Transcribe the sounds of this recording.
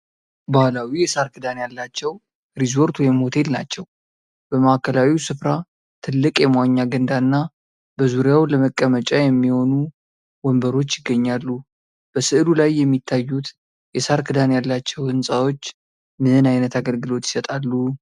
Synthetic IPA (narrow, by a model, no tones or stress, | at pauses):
bahlawijɛsaɾkʰɨd̪anjalːat͡ʃːɛw | ɾizo̞ɾt̪wɔjɛmho̞t̪ʰe̞lna̰t͡ʃːɛw | b̥əmaakʰəlawiwsɨfɾa | t̪ʰɨlːɨkʼjɛmwaɲːaɡənd̪anːa | b̥əzuɾjawləməkʼːəmət͡ʃʼajɛmːiho̞nu | wɔmbəɾo̞t͡ʃːjɪɡːəɲːalːu | b̥əsɨʔlulajːɛmːit̪ʰːajːut̪ | jɛsaɾkʰɨd̪anjalːat͡ʃːɛwhɨnsʼawo̞t͡ʃː | mɨɨnajnət̪aɡəlɡɨlo̞t̪jɪ̥sət̪ʼalːu